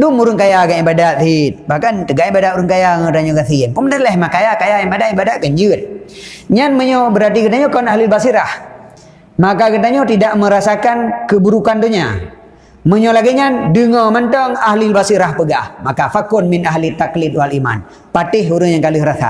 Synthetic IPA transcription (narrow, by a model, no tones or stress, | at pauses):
dumuɾʊŋkajakanibadaʔθit̪̚bahkant̪əɡaʔibadaʔuɾəŋkajaŋaət̪aɲɔkaθinpuməndalɛhmakajakajajabadaʔibadaʔ̚kəɲd͡ʒɨt̪̚ɲanməɲɔbəɾart̪ikət̪aɲɔkɔnaɦlilbasiɾah | makakət̪̬aɲɔt̪idaʔməɾasakankəbuɾukant̪uɲa̰ | məɲɔlaɡiɲadəŋɔmənt̪ɔŋaɦlilbasiɾahpəɡahmakafakʊnminaɦlit̪aklɪt̪̚walima̰n | pat̪ɪɦuɾɨŋjaŋkaləhɾaθa̰ʔ